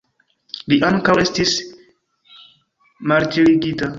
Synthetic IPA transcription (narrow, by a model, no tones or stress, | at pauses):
liʔaŋkawe̞stis | maldiɾiɡita